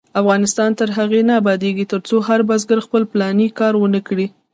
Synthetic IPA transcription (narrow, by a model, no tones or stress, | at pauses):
afɣɑnɪst̪ɑnt̪əɾɦaɣenaːbɑd̪eɡit̪əɾt͡soɦaɾbazɡəɾxpəlplɑnikɑɾwənəkɽi